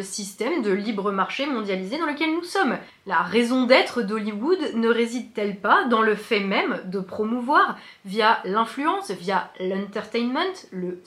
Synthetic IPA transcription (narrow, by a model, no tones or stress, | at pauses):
əsist̪ɛmd̪əlibʁəmaʁʃemɔ̃d̪jalized̪ɑ̃ləkʲɛlnusɔm | laʁezɔ̃d̪ɛt̪χəd̪ɔliwud̪nəʁezid̪̚t̪ɛlpad̪ɑ̃ləfɛmɛmd̪əpχɔmuvwaʁ | vjalɛ̃flyɑ̃svjalɛ̃t̪ɛʁt̪ɛjnmɛ̃t̪lə